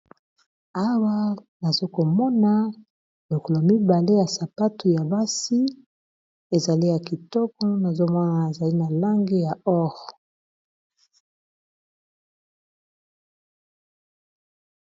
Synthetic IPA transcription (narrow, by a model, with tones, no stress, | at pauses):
a˦wa˦na˨zo˦ko˨mɔ˦na˦ | lo˨kɔ˨lo˨mi˦ba˨le˦ja˨sa˨pa˦tu˨ja˨ba˦si˦ | e˨za˨li˦ja˨ki˨tɔ˦kɔ˦na˨zo˦mɔ˦na˨e˨za˨li˦na˨la˦ŋɡe˦ja˨ɔ˦ʁɔ˨